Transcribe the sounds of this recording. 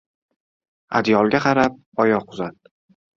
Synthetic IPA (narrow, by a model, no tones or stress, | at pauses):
a̰d̪jɒlˠɡʲaqʰɑɾap̚ɒjɒqʰʊzat̪̚